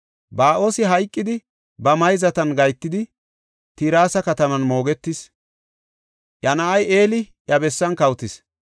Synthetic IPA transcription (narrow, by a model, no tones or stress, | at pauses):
baːʔo̞ːsɪɦɐjkʼːɪd̪ɪ | bɐmɐjzɐt̪ɐnɡɐjt̪ːɪd̪ɪ | t̪iːɾaːsɐkɐt̪ɐmɐnmo̞ːɡɛt̪ːɪs | ʔɐnɐʔɐjʔe̞ːlɪʔjɐbɛsːɐnkɐwt̪ɪs